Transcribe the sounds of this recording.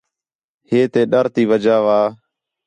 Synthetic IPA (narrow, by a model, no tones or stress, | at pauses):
heːt̪eːɗəɾt̪iːʋəd͡ʒaːʋaː